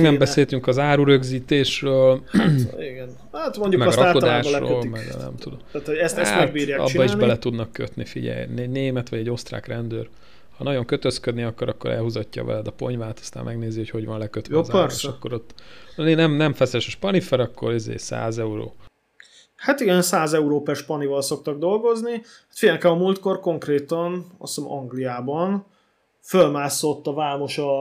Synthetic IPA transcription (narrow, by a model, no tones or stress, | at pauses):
ɡnɛmbɛseːlt̪yŋkɒzaːɾuɾø̞ɡziːt̪eːʃrøːl | iɡɛn | at̪moɲɟumɛɡɾɒaod̪aːʃlro̰ːlmɛɡ̰nɛ̰mt̪ud̪ot̪aːt̪hoɛst̪ɛmɡtbiːɾjaːɒ̰biːɒiʒɛlɛt̪ud̪nɒkːø̰t̪nifiɟɛ̰jnneːmɛt̪ʋɒɟɛɟo̞st̪ra̰ːkrɛnd̪øːr | hɒnɒɟo̞ŋkøt̪øskød̪niɒkːoɾɒkːo̞ɾɛ̰lɦuzɒcːɒ̰vɛ̰lɛd̪ɒpo̞̰ɲvaːt̪ɒ̥st̪a̰ːmmɛɡneːziho̞cho̞ɟʋɒnlɛkøt̪ːzɛʃɒkːo̞ɾot̪ːnenɛmnɛɱfɛsɛʃoʃpɒnifɛɾɒkːoɾizḛːsa̰ːzɛuɾo̰ː | hat̪iɡɛnsaːzɛuɾoːpɛʃpɒnivɒlso̞k̚t̪ɒɡd̪o̞lɡo̞zni | hat̪fiɟɛlkɛmɒmult̪̚ko̞rko̞ŋkreːt̪ɒnɒ̰smɒŋɡlijaːbɒn | følmaːsːo̞t̪ːɒvaːmo̞ʃɒ